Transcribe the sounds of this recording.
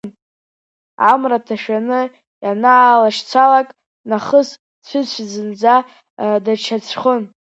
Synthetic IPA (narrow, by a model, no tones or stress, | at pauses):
n | amratʰaʃᶣanɨ | janaːlaʃt͡sʷʰalakʼ | naχəs | t͡ɕʷʰɪt͡ɕʷʰzɨnd͡za | dat͡ʃʰat͡sʷʰχən